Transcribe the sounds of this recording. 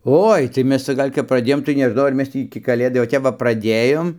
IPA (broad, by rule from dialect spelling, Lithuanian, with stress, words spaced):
ˈoːɪ tɐɪ ˈmʲɛs ˈt͡sɐ ˈɡɐlʲ kɐp prɐˈdʲeːjoːm tɐɪ nʲɛˈʒnɐʊ ɐr ˈmʲɛs tʲiː ɪkʲɪ kɐˈlʲeːdɐɪ oː ˈtʲɛp ʋɐ prɐˈdʲeːjoːm